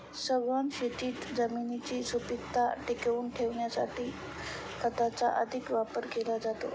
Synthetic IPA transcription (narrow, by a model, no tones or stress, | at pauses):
səʋʋanɕeʈ̪iːt̪d͡zəminit͡ɕiːsupit̪ːaʈikeuːnʈʰeʋɳjasa̰ʈiː | kət̪at͡sa̰ʔə̰d̪ʱikʋapəɾkelad͡zat̪o̰